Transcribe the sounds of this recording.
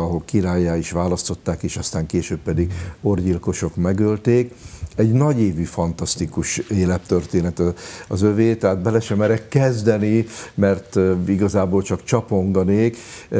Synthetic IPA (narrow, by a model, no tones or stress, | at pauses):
ɒɦo̞lkiɾaːjːaːiʃʋaːlɒst̪o̞t̪ːaːkeːʃɒst̪aːŋkeːʃøːbːɛd̪iɡo̞rɟilko̞ʃo̞kmɛɡølt̪eːkɛɟnɒɟeːvyːfɒnt̪ɒst̪ikuʃeːlɛpt̪ørt̪eːnɛt̪ɒɒzøveːt̪ɛɦaːd̪̚bɛlɛʃɛmɛɾɛkːɛzd̪ɛnimɛrt̪iɡɒzaːboːlt͡ʃɒkt͡ʃɒpo̞ŋɡɒneːk